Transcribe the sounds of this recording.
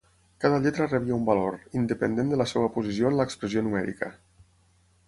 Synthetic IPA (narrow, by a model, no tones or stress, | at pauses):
kaðəʎɛt̪ɾəreβiəumbaloɾind̪əpənd̪end̪ələseβəpuzisioənləkspɾəzionumɛɾḭkə̰